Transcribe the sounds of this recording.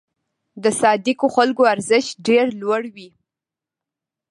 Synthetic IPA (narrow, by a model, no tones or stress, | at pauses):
d̪əsɑd̪ikoxalkoaɾzɪʃɖeɾlwaɽwi